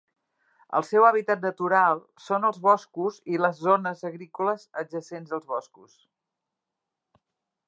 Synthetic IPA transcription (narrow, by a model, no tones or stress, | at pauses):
ə̰lˠsɛwaβ̞it̪at̪̚nət̪uɾalˠ | sonəlˠzβɔskuziləzːonəzəɣɾikuləzəʒəsenzðəlˠzβɔskus